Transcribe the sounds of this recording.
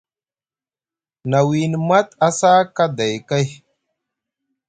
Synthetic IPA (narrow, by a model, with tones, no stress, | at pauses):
na˨wi˨n˨ma˦t̪a˦sa˦ka˦da˨jka˦j